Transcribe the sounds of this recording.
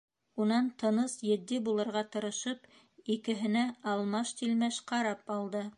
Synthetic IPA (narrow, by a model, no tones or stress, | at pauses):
unɑnt̪ɤ̆nɤsjɘ̆d̪ːibulˠɤ̆ɾʁɑt̪ɤ̆ɾɤ̆ʃɤp | ikɘ̆ɦɘ̆næɑlˠmɑʃt̪ilmæʃqɑɾɑpɑlˠd̪ɤ